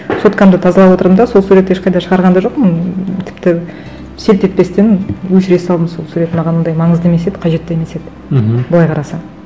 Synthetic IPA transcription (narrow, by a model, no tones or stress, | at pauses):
so̞t̪kʰɑmd̪ət̪ʰɑzɑlˠɑpwo̞t̪əɾəmd̪ɑso̞lˠsuɾe̞t̪eʃqʰɑjd̪ɑʃəʁɑɾʁɑnd̪ɑʒo̞qmənt̪ʰɪ̥pt̪ɪ | se̞lt̪et̪̚pe̞st̪enwɵʃɾe̞sɑlˠd̪əmso̞lˠsuɾe̞t̪mɑʁɑnənd̪ɑjmɑɴəzd̪əmese̞d̪ɪ̥qʰɑʒe̞t̪ːemese̞d̪ɪ | bʊlˠɑjqʰɑɾɑsɑ